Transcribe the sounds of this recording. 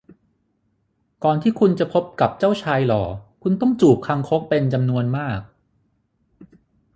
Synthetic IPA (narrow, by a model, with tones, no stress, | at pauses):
kɔː˨˩nt̪ʰiː˥˩kʰu˧nt͡ɕa˨˩pʰo˦˥p̚ka˨˩p̚t͡ɕa˥˩wt͡ɕʰaː˧jlɔː˩˦kʰu˧nt̪ɔ˥˩ŋt͡ɕuː˨˩p̚kʰa˧ŋkʰo˦˥k̚pe˧nt͡ɕa˧mnu˧ənmaː˥˩k̚